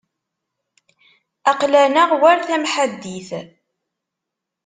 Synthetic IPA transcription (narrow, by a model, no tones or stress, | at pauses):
ɑqlænaʁwæɾθæmħad̪ːiθ